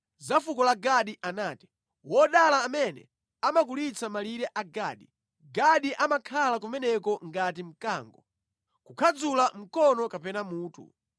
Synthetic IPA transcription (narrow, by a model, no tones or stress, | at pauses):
zafukɔlaɡaɗiʔanaːti̥ | wɔɗalaːmɛnɛ̰ | amakulit͡samaliɾɛʔaɡaːɗi | ɡaɗiʔamakʰalak̬umɛnɛkɔŋɡatim̩ka̰ːŋɡɔ | kukʰad͡zulam̩kɔnɔkapɛnamuːtʰṵ